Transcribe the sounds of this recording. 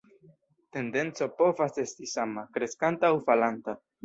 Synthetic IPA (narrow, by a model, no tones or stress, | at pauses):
t̪e̞nd̪e̞nt͡so̞po̞vase̞st̪isamakɾe̞skant̪aːwfalant̪a